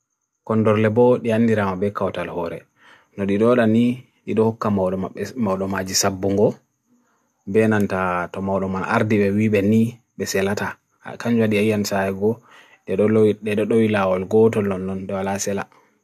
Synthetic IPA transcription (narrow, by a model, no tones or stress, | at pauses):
kɔndɔɾlɛbɔɗianːdiɾamabɛkawtalhɔɾɛ̰ | nɔɗiɗɔɗani | ɗiɗɔhɔkːamawɔmawɗɔmad͡ʒisabːuŋɡɔ | bɛnantatɔmawɗɔmanʔa̰ɾdiɓɛwiɓɛni | ɓɛsɛlata̰ | kaɲd͡ʒwaɗiajansajɛɡɔ | ɗɛɗɔɗɛɗɔɗɔwilawɔlɡɔtɔlːɔnːɔnɗɛwalasɛla̰